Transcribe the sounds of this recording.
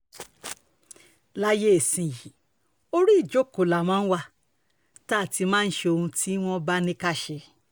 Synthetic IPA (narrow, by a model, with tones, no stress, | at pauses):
la˦je˦e˨sĩ˨ji˨ | o˦ɾi˦i˦˨d͡ʒo˦˨ko˨la˨mãː˨˦n̩˦wa˧ | taː˦˨ti˧˦mãː˦˧n̩˦ʃe˧o˧hũ˧tʰi˦w̃ɔ̃˦ba˦nĩ˦ka˦ʃɛ˧˦